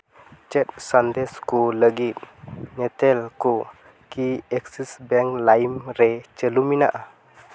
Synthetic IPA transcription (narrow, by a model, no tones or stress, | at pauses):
t͡ʃɛt̪̚sand̪ɛskuləɡit̪̚nɛt̪ɛlku | kiɛksisbɛŋklaimɾɛt͡ʃəlumina̰ʔa